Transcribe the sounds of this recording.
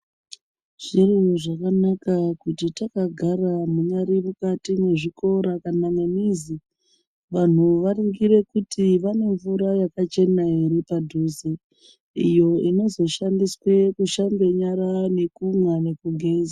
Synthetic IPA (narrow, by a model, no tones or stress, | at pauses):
ʐ̥iriʐakanakakutitakaɡʱaramuɲaɾimukatimwe̞ʐiko̞ɾakananenizi | ʋan̤uʋariŋɡiɾe̞kutiʋane̞ɱvuɾajakat͡ʃe̞naiɾipadʱuzi | ijo̞ino̞zo̞ʃandiswe̞kuʃambeɲaɾane̞kumwane̞kuɡʱeːnza